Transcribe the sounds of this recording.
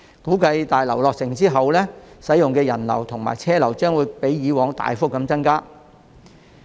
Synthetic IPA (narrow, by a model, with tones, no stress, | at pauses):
kuː˨˥kɐ˧jt̪aː˨jlɐ˨˩wlɔː˨k̚sɪ˨˩ŋt͡siː˥ɦɐ˨wlɛː˥sɐ˨˥jʊ˨ŋkɛː˧jɐ˨˩nlɐ̰˨˩wt̪ʰʊ˨˩ŋma̰ː˨˩jt͡sʰɛː˥lɐ˨˩wt͡sœː˥ŋwuː˨˧jpe˨˥jjiː˨˧wɔː˨˥ŋt̪a̰ː˨jfʊ˥kːɐ˨˧mt͡sɐ˥nkaː˥